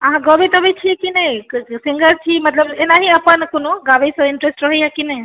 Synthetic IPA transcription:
aɦãɡɔbet̪ɔbet͡ʃʰiekinejsiŋɡəɾt͡ʃʰimɐt̪ləbenaɦiapankonoɡabejsɔ̃inʈɾesʈɾɔɦejakinej

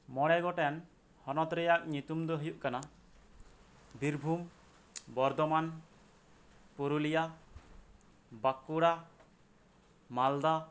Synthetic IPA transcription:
mɔɽ̃ɛɡɔʈɛan | hɔnɔt̪ɾɛjak̚ɲut̪umd̪ɔɦujuʔkana | b̪iɾbʱum | bɔɾd̪ɔman | puɾulija | bakuɽa | mald̪a

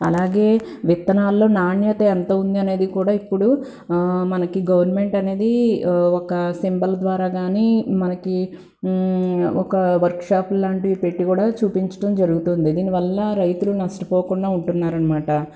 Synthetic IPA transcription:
ɐlaːɡe̞ːʋit̪ːɐnaːlːo̞ːnaːɳjɐt̪ɐent̪ɐːund̪iɐne̞ːd̪ikuːɽaːipːuɽu | mɐnɐkiɡɐʋɐɾnme̞ɳʈɐne̞ːd̪iɔkɐsimbɐld̪ʋaːɾaːɡaːniːmɐnɐki | ɔkɐʋɐɾkʂaːplːaːɳʈipe̞ʈːikuːɽaːt͡ʃuːpiɲt͡ʃɐ̥ʈɐmd͡ʒɐɾuɡut̪und̪id̪iːniʋɐlːɐɾɐjt̪ulunɐʂʈɐpoːkuɳɖaːuɳʈunːaːɾɐnɐmaːʈɐ

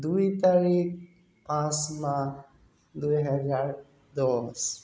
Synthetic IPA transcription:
d̪uit̪aɾik̚ | pãsmã | d̪ujɦəd͡ʒaːɾ | d̪ɔs

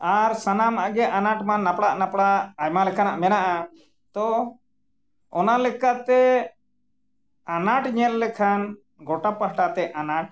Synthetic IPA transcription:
aɾsanamaʔɡɛʔanaʈmanːapɽaʔnapɽaʔːjmalɛkʰanaʔmɛnaʔa | t̪ɔ | ɔnalɛkat̪ɛ | anaʈɲɛlːɛkʰan | ɡɔʈapaɦʈat̪ɛʔanaʈ̚

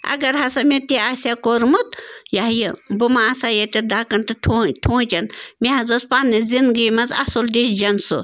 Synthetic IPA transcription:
ɐ̰ɡɐɾɦɐsɐmʲet̪iaːsʲakoɾmut̪̚jaɦjibumaːsajɐt̪ʲid̪akɐnt̪ɨtʰotʰõːt͡ʃɐnmeɦɐzɐspaːnːizind̪ɡimɐzɐ̰sold̪esd͡ʒɐnsu

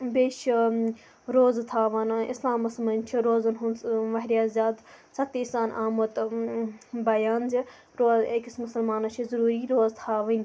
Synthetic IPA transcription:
beːʃ | ɾoːzt̪ʰaːʋɐnḭslaːmɐsmɐnʲt͡ʃʰiɾoːzɐnɦunʋɐɦɾʲjaːzʲaːd̪ | sʰɐt̪isaːnaːmɐt̪ | bɐjaːnzi | ɾoːzekismʊsɐlmaːnɐt͡ʃʰizɐɾuːɾiɾoːzt̪ʰaːʋɐnʲ

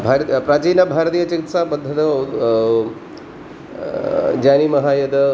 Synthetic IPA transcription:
bʱaɾpɾat͡ʃijnɐbʱaːɾt̪ijɐt͡ʃɐkit̪sapɐd̪ʱːɐt̪ɐ | d͡ʒaːnimɐɦajɐd̪

